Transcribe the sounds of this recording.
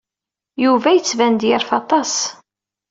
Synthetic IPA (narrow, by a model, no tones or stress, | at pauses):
juvæjət͡sːvænd̪jəɾfɑt̪ˤɑs